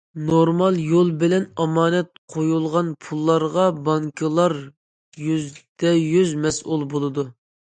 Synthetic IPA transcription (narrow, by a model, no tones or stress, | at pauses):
noɾmɑlˠjolˠbɪlɛnɑmɑːnɛt̪̚qʰojulˠʁɑnpʰulˠːɑɾʁɑbɑŋkʰɨlˠɑɾ | jyzd̪̥ɛjyzmɛsʔulˠbolˠɨd̪u